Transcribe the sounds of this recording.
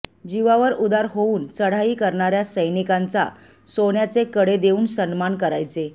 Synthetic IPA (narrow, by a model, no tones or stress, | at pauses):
d͡ʑiʋaʋəɾud̪aɾɦouːnt͡səɽ̤aiːkəɾɳaɾjasəjnikant͡sa̰ | soɳjat͡sekəɽed̪euːnsənmankəɾajt͡se